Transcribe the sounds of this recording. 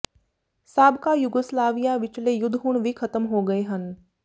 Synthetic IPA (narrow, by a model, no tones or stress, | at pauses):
saːbkajʊɡəslaːʋijaʋɪt͡ʃlejʊd̪ʱɦuɽ̃ʋʱikʰɐt̪əmɦoɡɐeɦən